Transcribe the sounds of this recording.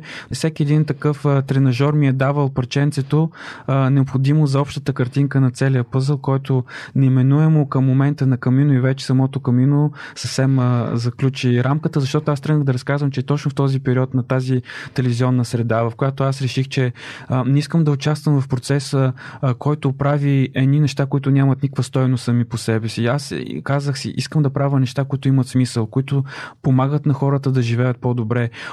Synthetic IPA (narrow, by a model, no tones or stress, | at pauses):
fsɛkʲiɛd̪int̪ɐkɤft̪ɾɛnɐʒɔɾmiɛd̪avəlˠpɐɾt͡ʃɛnt̪sɛt̪onɛopxod̪imozɐɔpʃt̪ət̪əkɐɾt̪iŋkənɐt̪sɛliəpɤzəlˠkɔjt̪ʊnɛimɛnuɛmokɐmːomɛnt̪ənɐkɐminʊivɛt͡ʃɛ̥sɐmɔt̪okɐminosəfsɛməzɐklʲut͡ʃiɾamkət̪əzɐʃt̪ɔt̪oast̪ɾɤnəɣd̪ɐɾɐskazvəmt͡ʃɛt̪ɔt͡ʃnʊft̪ɔzipɛɾiɔt̪nɐt̪azit̪ɛlɛviziɔnːəsɾɛd̪avɐfkojat̪oasɾɛʃixt͡ʃɛnɛiskəmd̪ɐʊt͡ʃast̪vəmvɐfpɾot̪sɛsəkɔjt̪ʊpɾaviɛnʲinɛʃt̪akoit̪ʊnʲamət̪nikvəst̪ɔjnost̪sɐmiposɛbɛsiaskazəxsḭʔiskəmd̪ɐpɾavənɛʃt̪akoit̪ʊimɐt̪smisəlˠkoit̪ʊpomaɡət̪nɐxɔɾət̪əd̪ɐʒivɛjət̪̚pod̪obɾɛ